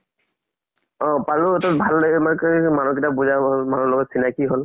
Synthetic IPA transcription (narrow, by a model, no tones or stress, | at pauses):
ɔ̃paluɔtɔt̚bʱalːamakaimanuk̬itabuzamanɔlɔɡɔtsinakiɦɔl